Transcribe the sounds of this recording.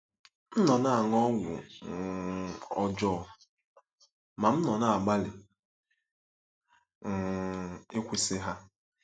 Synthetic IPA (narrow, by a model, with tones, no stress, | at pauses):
m̩˦nɔ˨na˦˨a˨ŋɔ˦ɡʷʊ̰˨ | ɔ˨d͡ʒɔː˦˨ | ma˨m̩˦nɔ˨na˦˨a˨ɡ͡ba˦lɪ˨ | ŋ̩˨ɪ˦kʷi˨sɪ˦ɦa˦